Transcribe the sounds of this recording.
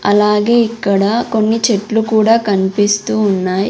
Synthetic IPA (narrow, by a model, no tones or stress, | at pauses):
ɐlaːɡe̞ːikːɐɽɐko̞nːit͡ʃeʈlukuːɽaːkɐnipist̪uːnːaːj